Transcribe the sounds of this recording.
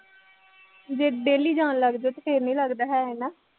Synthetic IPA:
d͡ʒeːɖeːliːd͡ʒaːnləɡd͡ʒoːt̪ːpʰeːɾnĩːləɡd̪aːɦɛːɦeːnaː

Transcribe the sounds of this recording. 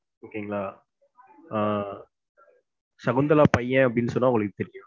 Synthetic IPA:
oːkːeŋɡɐɭaː | aː | sɐɣʊnd̪ɐlaːpɐjːɛ̃ɐp̬ːɐɽɪnːɯsɔnːaːʊŋɡɐɭɯkːɯt̪ɛɾɪjʊ̃

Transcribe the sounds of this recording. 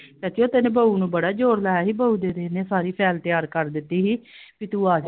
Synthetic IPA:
tɛːt͡ʃioːt̪eːnẽːbəːuːnũːbəɽaːd͡ʒoːɾlaːaːɦiːbəuːd̪eːɾeːnẽːsaːɾiːpʰɛːlt̪ɪjaːɾkəɾd̪ɪt̪ːiːɦiːpit̪uːaːd͡ʒ

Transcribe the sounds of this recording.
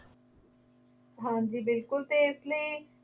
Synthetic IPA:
ɦãːd͡ʒiːbɪlkʊlt̪eɪsləi

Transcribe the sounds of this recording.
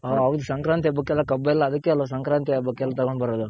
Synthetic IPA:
ɐʋɐd̪usɐŋkɾaːnt̪iɐbɐkːɛlːɐkɐbːɛlːɐːd̪ɐkːeɐlːɐs̬ɐŋkɾaːnt̪iɐbɐkːeɛlːɐt̪ɐɡoɳɖbɐɾod̪u

